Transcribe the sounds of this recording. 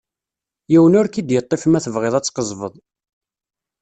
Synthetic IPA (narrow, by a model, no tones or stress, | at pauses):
jiwənʊɾkid̪jət̪ˤːefmæθəvʁeðˤæt͡sːqəzˤvəðˤ